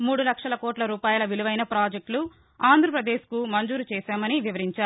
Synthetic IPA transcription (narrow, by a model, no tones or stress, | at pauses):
muːɽulɐkʂɐlɐkoːʈlɐɾuːpaːjɐlɐʋiluʋɐjnɐpɾaːd͡ʒek̚ʈlu | aːnd̪ʱɾɐpɾɐd̪e̞ːʃkumɐɲd͡ʒuːɾut͡ʃɛːʃaːmɐniʋiʋɐɾiɲt͡ʃaːɾu